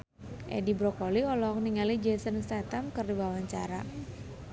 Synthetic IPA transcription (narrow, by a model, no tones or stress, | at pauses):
ʔɛ̰dibɾɔkɔliɔlɔk̚niŋalid͡ʒɛsənst̪at̪amkɨrdiwawaɲt͡ʃa̰ɾa̰